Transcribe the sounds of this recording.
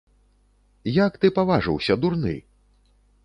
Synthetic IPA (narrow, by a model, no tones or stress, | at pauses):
jakt̪ɨpavaʐɨ̰wsʲɐd̪urnɨ̰